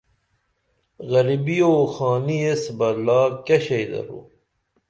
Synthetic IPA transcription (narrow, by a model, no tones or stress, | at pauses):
ɣɐɾibioːxaːniesbɐlaːkeɕejd̪ɐ̰ɾo̰ː